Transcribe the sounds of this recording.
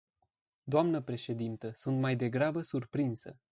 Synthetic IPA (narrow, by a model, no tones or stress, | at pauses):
d̪oamnəpɾe̞ʃe̞d̪int̪əsunt̪majd̪e̞ɡɾabəsurpɾinsə̰